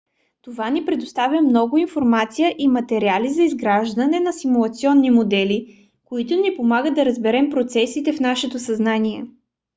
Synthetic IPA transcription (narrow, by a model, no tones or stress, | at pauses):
t̪ovanipɾɛd̪ost̪avʲjəmnɔɡʊinfoɾmat̪sijəʔimɐt̪ɛɾializɐizɡɾaʒd̪ɐnɛnɐsimulˠɐt̪siɔnːimod̪ɛli | koit̪ʊnipomaɡəɐɾəzbɛɾɛmpɾot̪sɛsit̪ɛfnaʃɛt̪osɐznanʲiɛ